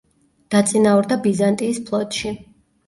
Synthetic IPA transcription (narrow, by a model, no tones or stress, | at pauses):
d̪̥at̪sʼinauɾd̪abizant̪ʼiːspʰlˠɔt̪ʼʃi